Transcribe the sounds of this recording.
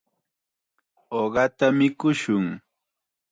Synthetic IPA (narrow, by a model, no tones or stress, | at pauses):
oɢɑt̪amɪkʊʃʊŋ